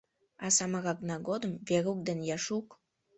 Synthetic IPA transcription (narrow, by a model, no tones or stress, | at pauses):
ɑsɑmɑɣɑknɑɡod̪əmveɾuk̚d̪enjɑʃuk